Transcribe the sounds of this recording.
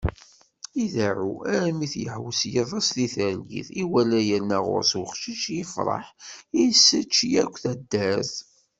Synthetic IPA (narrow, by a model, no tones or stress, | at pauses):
iðæʕuæɾmiθjə̰ħwəsjəðˤːɑsliθəɾlḭθiwælæjənːæʁʊ̰ɾswəχʃiʃjəfɾˤɑ̰ħisːət͡ʃːjækʷːθæd̪ːæz